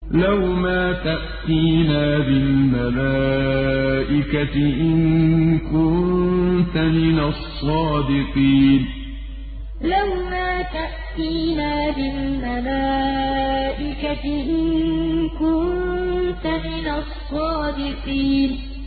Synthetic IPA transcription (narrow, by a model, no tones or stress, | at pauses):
lawmaːt̪aʔt̪iːnaːbɪlmalaː | ʔɪkaɪʔɪnkʊnt̪amɪnasˤːɑːd̪ɪqiːn | lawmaːt̪aʔt̪iːnaːbɪlmalaː | ʔɪkaʔɪnkʊnt̪amɪnasˤːɑːd̪ɪqiːn